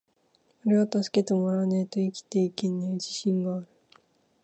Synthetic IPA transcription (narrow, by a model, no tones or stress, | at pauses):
oɾe̞at̪asɨ̥ke̞t̪e̞moɾanet̪oikʲi̥t̪e̞ike̞nːed͡ʑiɕĩŋɡaːɾɯ̟